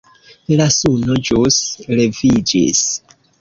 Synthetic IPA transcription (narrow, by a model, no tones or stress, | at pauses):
lasunod͡ʒusle̞vid͡ʒḭs